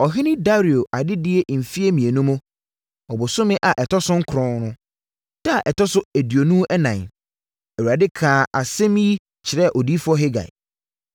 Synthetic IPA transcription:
ɔ˨ɦɪ˦nɪ̃˦da˦ɾi˨o˨ʔa˨dɪ˦dɪ˦e˦m̩˨fi˦e˦mĩ˨e˨nũ˦mʊ̃˦ | ɔ˨bʊ˨sʊ˦mɪ̃˦ʔa˨ʔɛ˨tʰɔ˦sʊ̃˦ŋ̩˦kʰɾɔ̃˨nnʊ̃˦ | d̥a˦a˨ʔɛ˨tʰɔ˦sʊ˦æ˨dɥi˨o˨nũ˦ʔɛ˦nã˨n˨ | ɛ˨wu˨a˨dɪ˦kʰãː˨ʔa˨sɛ̃˦mĩ˦i˦ | t͡ɕʰɪ˨ɾɛ˦˨ʔɔ˨di˦fɔ˦ɦɪ˦ɡa̰˨

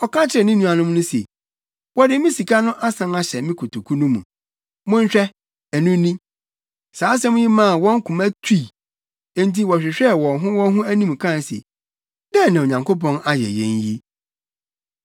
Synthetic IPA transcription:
ɔ˨kã˦t͡ɕʰɪ˦ɾɛ˨nɪ̃˦nũ˦a˨nʊ̃˦m˦nʊ̃˦sḛ˨ | wɔ˦dɪ˦mɪ̃˦si˨kʰa˦nʊ̃˦ʔa˦sã˨ma˦ɕɛ˨mɪ̃˦kʰo˨tʰo˨kʰu˦nũ˦mṵ̃˨ | mʊ̃˦n˦ɕᶣɛ˦ | æ˨nũ˦nĩ˦ | saː˨˦s̬ɛ̃˦mʊ̃˦jɪ˦mã˦˨wɔ̃˦ŋ˦kʰʊ̃˨mæ˦tʰu˦˨ | ẽ˦˨n˦ti˦wɔ˨ɕᶣɪ˨ɕᶣɛ˦˨wɔ̃˨nɦʊ̃˦wɔ̃˦ɦʊ̃˦æ˦nĩ˦m˨kʰã˦˨n˨sḛ˨ | dɛ˦˨nã˨ɲã˨ŋko˦p̬ɔ̃˦na˦jɛ̰˨jɛ̰̃˦nji˦

